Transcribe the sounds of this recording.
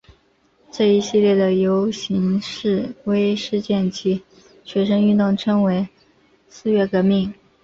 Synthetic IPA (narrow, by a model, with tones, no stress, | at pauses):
ʈ͡ʂɤ˥˩i˧˥ɕi˥˧ljɛ˥˩d̪ə˩jo˧˥ʊɕi˧˥ŋʂɻ̩˥˩we˥ɪʂɻ̩˥˧t͡ɕjɛ˥˩nt͡ɕi˧˥ | ɕɥɛ˧˥ʂə˥ŋy˥˧t̪ʊ˥˩ŋʈ͡ʂʰɤ˥ŋwe˧˥ɪ | sɹ̩˥˧ɥɛ˥˩kɤ˧˥mi˥˩ŋ